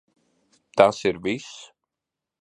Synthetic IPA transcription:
t̪asiɾvis

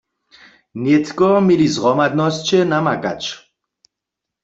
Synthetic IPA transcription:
njɛt̪kɔmjelizʁɔmad̪nɔst͡ʃɛnamaka̰t͡ʃ

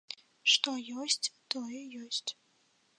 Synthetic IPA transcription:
ʂt̪ɔjɔsʲt͡sʲt̪ɔjɛjɔsʲt͡sʲ

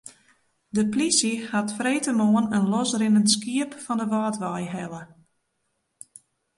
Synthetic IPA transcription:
dəplisihatfreːtəmoənənlɔsrɪnənskiəpfɔndəʋaːtʋajɦɛlə

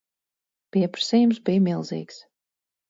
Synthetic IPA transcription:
piɛpɾḁsɛːjumsbijmilˠzḭːks

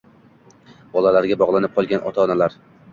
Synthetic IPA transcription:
b̥ɒlalaɾɡʲabɒʁlˠanɪp̚qʰɒlˠɡʲanʔɒ̰t̪ʰaɒnalaɾ

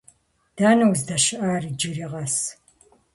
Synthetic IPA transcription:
d̥aːnɐwzdɐʃɨʔaːrid͡ʒɨɾiːʁɐs

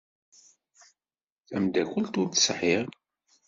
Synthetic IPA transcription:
θæmd̪ækəlt̪ʊɾt̪sħiʁ

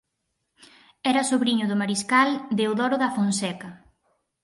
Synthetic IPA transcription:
ɛɾɐsoβɾiɲʊðʊmaɾiskald̪eoðɔɾʊðɐfonsɛkɐ

